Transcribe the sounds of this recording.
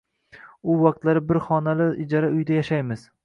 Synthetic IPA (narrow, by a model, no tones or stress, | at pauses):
ʊwɑq̚t̪laɾɪbɪɾχɒnalɪɪd͡ʒaɾaʊjd̪ajaʃajmɪz̥